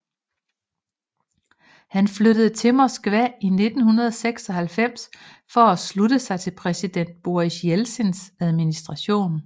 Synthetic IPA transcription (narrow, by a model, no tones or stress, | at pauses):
hænfløɾəð̞̩ˠt͡sʰe̝mɒsɡ̥ʋæine̝d̥n̩hunɐð̞ˠɒseɡ̥sɒ̽hælfem̰s | fɒ̽æsluɾ̥əsɑ̈ɪt͡sʰe̝lpʰʁɛsid̥en̰d̥̚b̥o̝iɕjelsensæð̞ˠminisd̥ʁɑ̈ɕo̝̰ːn